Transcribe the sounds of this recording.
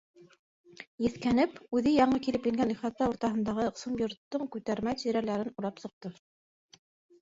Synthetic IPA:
jɘ̆θkænɘpʉðɘjɑɴɤkilɘpjɘ̆ŋɡænliχɑt̪ːɑuɾt̪ɑɦɤ̆nd̪ɑʁɤqsɤmjŏɾt̪ːoɴkʉt̪æɾmæt̪iɾælæɾɘnuɾɑpsɤ̆q̚t̪ɤ

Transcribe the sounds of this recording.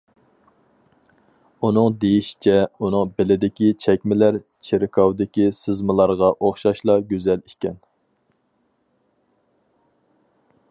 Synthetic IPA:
un̪ɨŋd̪ejiʃi̥t͡ʃʰɛunɨŋbɪlɪd̪ɪkʲit͡ʃʰɛkʲmɪlæɾ | t͡ʃʰeɾɪkʰɑwd̪ɪkʲisɨzmɨlˠɑɾʁɑʔoχʃɑʃlˠɑɡʲøzɛlikʲɛn

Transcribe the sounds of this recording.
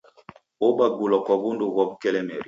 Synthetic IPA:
obaɡulɔkɔbunduɡɔbkɛlɛmɛɾi

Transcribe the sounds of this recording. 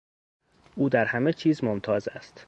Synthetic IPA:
ʔuːd̪æɾhæme̞t͡ʃʰiːzmomt̪ʰɒːzæst̪

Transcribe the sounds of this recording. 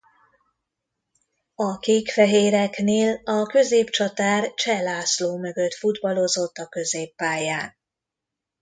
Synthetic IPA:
ɒkeːkfɛɦeːɾɛkneːlɒkø̞zeːpt͡ʃɒt̪aːrt͡ʃɛlaːsloːmø̞ɡø̞t̪fud̪bɒlo̞zo̞t̪ːɒkø̞zeːpːaːjaːn

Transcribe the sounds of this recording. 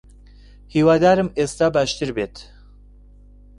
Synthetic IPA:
hiwaːd̪aːɾɨmest̪aːbaʃt̪ɨɾbeːt̪ʰ

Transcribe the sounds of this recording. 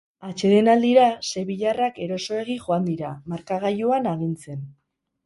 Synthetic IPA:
at͡ʃe̞ðe̞nald̪iɾase̞βiʎarake̞ɾo̞so̞e̞ɣ̞iʝoand̪iɾamaɾkaɣ̞ajuanaɣ̞int͡se̞n

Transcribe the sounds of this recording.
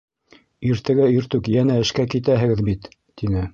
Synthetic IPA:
iɾt̪æɡæiɾt̪ʉkjænæɘ̆ʃkækit̪æɦɘ̆ɡɘðbit̪ː | inɘ

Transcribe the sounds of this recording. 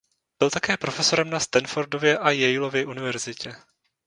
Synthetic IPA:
b̥ɪlt̪akɛːpɾo̞fɛso̞ɾɛmnast̪anfoɾdovjɛʔajɛjɪlo̞vjɛʔunɪvɛɾzɪcɛ

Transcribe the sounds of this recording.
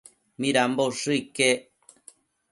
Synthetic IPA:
mĩɾamboʂɨike

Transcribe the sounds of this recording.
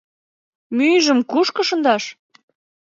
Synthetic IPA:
myjʒə̆mkuʃkəʃə̆nd̪ɑʃ

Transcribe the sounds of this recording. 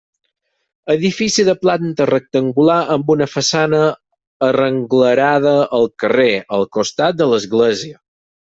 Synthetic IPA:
əðifisiðəplant̪ərək̚t̪əŋɡulaʔəmbunəfəsanəː | rəŋɡləɾað̞əʔːlˠkəreəlˠkust̪at̪̚d̪ələzɣlɛziə

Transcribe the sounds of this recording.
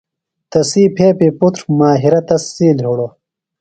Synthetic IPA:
t̪ɐsiːpʰeːpiput̪ɾmaːɦiɾɐt̪ɐsːiːlɦuɽo

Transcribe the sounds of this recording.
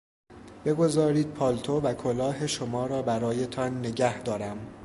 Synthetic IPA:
b̥e̞ɡo̞zɒːɾiːd̪̥̚pʰɒːlt̪ʰovækʰolɒːɦe̞ʃomɒːɾɒːbæɾɒːje̞t̪ʰɒnːe̞ɟæhd̪ɒːɾæm

